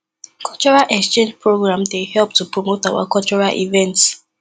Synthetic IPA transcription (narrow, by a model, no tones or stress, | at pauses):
kɔlt͡ʃɔɹalʔɛkst͡ʃẽnd͡ʒpɹoɡɹãmdehɛlp̚tupɹomotawa̰kɔt͡ʃɔɹalʔḭvɛ̃nts